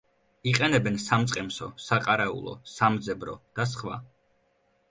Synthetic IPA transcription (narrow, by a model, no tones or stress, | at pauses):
iqʼɛnɛbɛnsamt̪sʼqʼɛmsɔsaqʼaɾɛṵlˠɔ̰samd̪zɛbɾɔ̰d̪̥as̬χwa̰